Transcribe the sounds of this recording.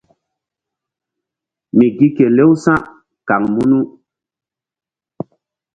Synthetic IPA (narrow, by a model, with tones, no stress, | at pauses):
mi˨ɡi˦ke˨le˦wsã˦ʔ | ka˨ŋmu˦nu˦